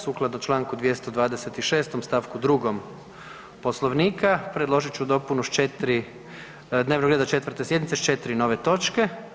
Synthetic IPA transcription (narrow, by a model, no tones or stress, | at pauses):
suːklˠad̪not͡ʃlˠaːŋkud̪ʋjest̪od̪ʋaːd̪eset̪iʃe̞ːst̪omst̪aʋkud̪ɾuɡom | po̞slˠoʋniːkapɾed̪lˠo̞ʒit͡ʃud̪o̞punut͡ʃet̪ɾi | d̪neːʋnoɡɾed̪at͡ʃe̞t̪ʋəɾt̪esjed̪nit̪set͡ʃe̞t̪ɾino̞ːʋe̞t̪o̞t͡ʃke̞